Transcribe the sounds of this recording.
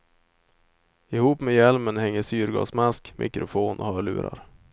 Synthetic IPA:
ɪhuːpmɛːjɛlmənhɛŋːəʂyːɾɡɑ̰ːsmaskmʔɪ̰kɾʊfoːnʔɔ̰hœːɭʉ̟̰ːɾa̰ɾ

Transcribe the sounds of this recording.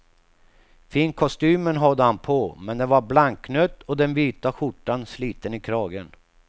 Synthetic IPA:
fiːnkʰɔst̪yːmənɦad̪ːəhanpʰɔmɛnd̪ɛvaɾblaŋkːnœt̪ːɔd̪ɛnviːt̪aɧʊʈːansliːt̪ənɪkʰɾɑːɡən

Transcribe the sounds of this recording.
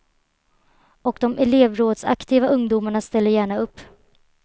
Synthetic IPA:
ɔkd̪ɔmʔɛleːvɾoːd̪sa̰kt̪ʰiːvaʔɵŋd̪uːmaɳast̪ɛlːəɾjæːɳaɵpː

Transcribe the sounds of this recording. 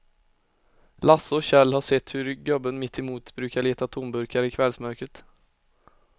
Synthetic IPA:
lasːɔɕɛlːhaʂɛt̪ːhɵɾɡœbːənmɪt̪ʰːɪmuːt̪bɾʉ̟ːkaɭeːt̪at̪ʰʊmbɵɾkaɾəɪkʰvɛlsmœɾkɾət̪

